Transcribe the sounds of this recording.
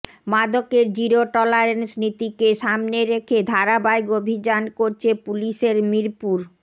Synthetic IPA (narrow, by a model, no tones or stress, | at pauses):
mad̪okeɾd͡ʑiɾoʈɔlaɾensnit̪ikeʃamneɾekʰed̪ʱaɾabaeɡobʱid͡ʑankoɾt͡ɕʰepuliʃeɾmiɾpuɾ